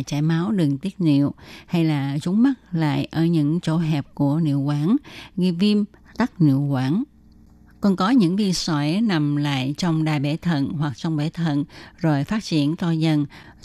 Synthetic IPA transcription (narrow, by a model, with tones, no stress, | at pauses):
t͡ɕaː˧˩jmaː˨˦wɗɨ˨˩əŋt̪i˦˥ət̚nḭ˧˨əwha˧jlaː˨˩zʊ˨˦ŋ͡mma˦˥t̚la̰ː˧˨jʔəː˧˩ɲɨ̰˧˥ŋt͡ɕo̰˧˥ɦɛ˨˩p̚ku˧˩ənḭ˧˨əwkwaː˨˦nɣi˧vi˧m | t̪a˦˥k̚nḭ˧˨əwkwaː˧˦n | kɔ˨˩nkɔ˨˦ɲɨ̰˧˥ŋvi˧sɔ˧˩˦jna˨˩mla̰ː˧˨jt͡ɕɔ˧wŋ͡mɗaː˨˩jɓe˧˩t̪ʰə̰˧˨nhwa˨˩k̚t͡ɕɔ˧wŋ͡mɓe˧˩˦t̪ʰə̰˧˨nzo˨˩jfaː˦˥t̚t͡ɕḭ˧˩ənt̪ɔ˧zə˧n